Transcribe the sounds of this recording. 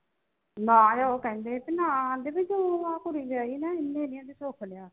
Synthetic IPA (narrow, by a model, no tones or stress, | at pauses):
nãːjaːoːkɛ̃ːnd̪eːt̪enãːd̪eːbɪt͡ʃoãːkʊɾiːd͡ʒaːiːnɛːɪnːeːnɪãːd̪iːsoːkʰlejaː